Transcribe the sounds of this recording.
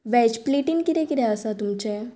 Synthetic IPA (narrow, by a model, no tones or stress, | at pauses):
ʋɛd͡ʑpliʈinkit̪ekiɾɛəsat̪umt͡ɕe